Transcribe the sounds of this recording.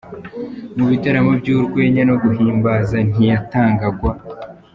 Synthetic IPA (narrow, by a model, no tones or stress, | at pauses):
muβitaɾamo̞bɟuːɾɡwe̞ːɲano̞ɡuɦiːmbazan̥ijataːŋɡaɡwa